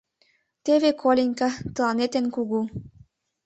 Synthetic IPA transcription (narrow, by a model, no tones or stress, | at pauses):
t̪eβekʰolʲenʲkɑt̪ɤ̆lɑnet̪enkuɣu